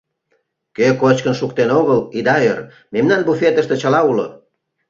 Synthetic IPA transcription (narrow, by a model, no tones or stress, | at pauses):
køkot͡ɕkənʃuk̚t̪enoɣəlid̪ɑør | memnɑnbufet̪əʃt̪ĕt͡ɕəlɑulo